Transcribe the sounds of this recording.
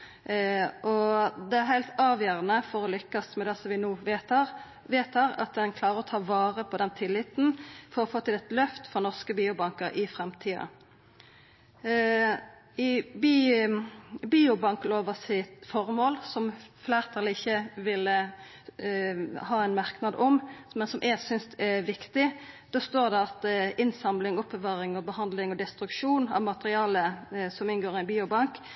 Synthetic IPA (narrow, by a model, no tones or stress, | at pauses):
ʔɔd̪ɛæɾɦæɪlt̪ɑːʋjøːʁənəfɔʁɔlʏkːɑsmɛd̪ɛsɔmʋɪnuːʋet̪ɑːʁ | ʋeːt̪hæːɾɑ̰t̪̚d̪ɛnkʰlɑːʁəʁɔt̪ʰɑːʋɑːʁəpʰɔd̪ɛnt̪ʰɪlɪt̪nfɔʁɔfoːt̪ɪlɛt̪lœft̪fɔʁnɔʁskəbiːʊbɑŋkəɾɪfʁɛmt̪ʰiːɑ̰ | ɪbi | biːʊbɑŋkloːʋəsɪt̪fɔʁmoːlsɔmflæːʁt̪ʰɑːlɪɪçːəʋɪlə | hɑːɛnmɑʁknɑd̪ɔmmɛnsɔmʔɛsʏnst̪ɛʋɪkt̪ɪd̪̥ɑst̪oːʁd̪ɛɑt̪ɪnsɑmlɪŋʊpʰːəʋɑːʁɪŋɔbəhɑnd̪lɪŋɔd̪ɛst̪ɾʉkʃuːnɑ̰ʋmɑt̪ʁɪɑːləsɔmɪnɡoːʁɪnbiːʊbɑŋk